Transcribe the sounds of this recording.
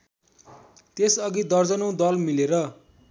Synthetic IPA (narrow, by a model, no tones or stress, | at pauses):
t̪esʌɡid̪ʌrd͡zʌnʌw̃d̪ʌlmileɾʌ